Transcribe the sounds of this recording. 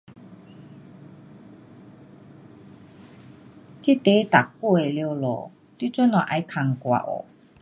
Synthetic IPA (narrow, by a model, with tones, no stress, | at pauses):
t͡ɕi˦˥t̪e˧˦t̪a˨˩kku˥˧e˨ljo˧wlɔ̰˨˩ | t̪wi˥˦˥t͡sɔ˦˥nɔ˨ʔa˧jkʰa˨˩ŋkwa̰˨ʔɔ̰˨˩